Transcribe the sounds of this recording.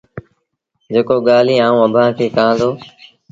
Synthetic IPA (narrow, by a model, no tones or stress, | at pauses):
d͡ʒeːkoːɠaːliːãːũːəbʱãːkʰeːkãːzoː